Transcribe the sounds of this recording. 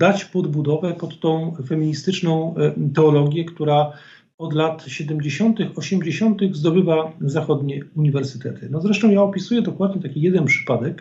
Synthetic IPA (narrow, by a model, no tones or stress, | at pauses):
d̪at͡ɕpɔd̪bud̪ɔvɛpɔt̪ːɔ̃w̃fɛmʲiɲist̪ɘt͡ʂnɔ̃w̃t̪ɛɔlɔɡʲjɛkt̪uɾa | ɔd̪lat̪ɕɛd̪ɛmd͡ʑeɕɔnt̪ɘxɔɕɛmd͡ʑeɕɔnt̪ɘɣzd̪ɔbɘvazaxɔd̪ɲɛuɲivɛɾsɘ̥t̪ɛt̪ʰɘnɔzɾɛʂt̪ɔ̃w̃jaɔpʲisujɛd̪ɔkwad̪ɲɛt̪akʲijɛd̪ɛnpʂɘ̥pad̪ɛk